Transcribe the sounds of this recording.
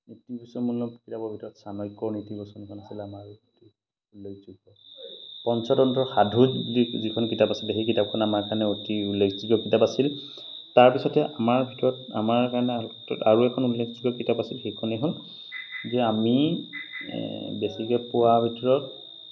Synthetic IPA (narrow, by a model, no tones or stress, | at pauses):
nitibɔsɔmunːɔpkitabɔbʱitɔɹɔtsanɔjkɔnitibɔsɔnikʰɔnasilamaɹti | ulːekzuɡɔpɔnsɔdɔntɔxadʱuizikʰɔnkitapasilɛxejkitap̚kʰɔnamaɹkanɛotiulːekʰziɡɔkitapasil | taɹpisɔtɛʔamaɹbʱitɔɹɔta̰maɹkaɹnɛtɔtaɹuɛkʰɔnulːekʰziɡɔkitapasilxejkʰɔnɛɦɔl | zɛami | besikɛpʊwabʱitɔɹɔt